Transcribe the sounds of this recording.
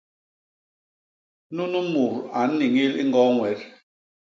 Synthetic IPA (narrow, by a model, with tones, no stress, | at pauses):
nu˦nu˦mu˨ɾa˨n̩˦ni˨ŋi˦li˦ŋ˦ɡɔ˦ŋwɛ˨˦ɾ